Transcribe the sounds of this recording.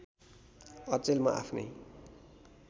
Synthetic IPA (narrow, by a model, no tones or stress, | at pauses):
ʌt͡selma̰ʔa̰pʰnʌ̰j